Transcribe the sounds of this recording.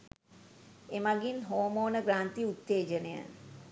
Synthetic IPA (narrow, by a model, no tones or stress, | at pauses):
emaɡinɦoːmoːnəɡɾaːnt̪iut̪ːeːd͡ʒənəjə̰n